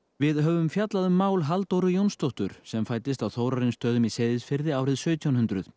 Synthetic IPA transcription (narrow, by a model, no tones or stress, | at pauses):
vɪðɦœːvʏmfjat̪laðʏmːaːwlɦalt̪owɾʏjownst̪ɔht̪ʏɾ̥sɛmfaːjt̪ɪst̪awθowɾaɾɪnst̪œːðʏmisejðɪsfɪɾðɪaːwɾɪðsœːt̪ʰjawnhʏnt̪ɾʏð̥